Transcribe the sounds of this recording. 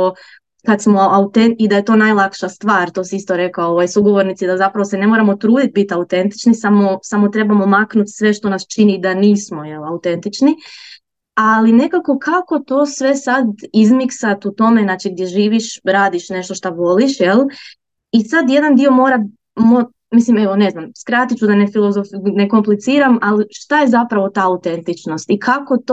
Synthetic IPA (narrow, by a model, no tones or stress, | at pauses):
o | kad̪smo̞aut̪enid̪aje̞t̪o̞ːnajlˠakʃast̪ʋaːɾt̪o̞ːsiist̪oɾe̞kaoʋajsuɡoʋoɾnit̪sid̪azapɾaʋosɛnemoɾamo̞t̪ɾuːd̪it̪̚bit̪aut̪e̞nt̪i̥t͡ʃnisamosamot̪ɾe̞bamomaknut̪sʋe̞ʃt̪o̞nast͡ʃinid̪aniːsmo̞jelaut̪e̞nt̪it͡ʃni | aline̞kako̞kʰako̞t̪o̞ːsʋe̞sad̪izmiksat̪ut̪o̞me̞nat͡ʃiɡ̚d̪je̞ʒiːʋiʃɾaːd̪iʃne̞ʃt̪oʃt̪aʋo̞liʃjelˠ | isad̪je̞d̪and̪io̞mo̞ːɾa | mo | mislime̞ʋone̞znamskɾat̪it͡ʃud̪ane̞filˠozofne̞ko̞mplit̪siːɾamaliʃt̪ajezapɾaʋo̞t̪aːut̪e̞nt̪it͡ʃno̞st̪ikʰakot̪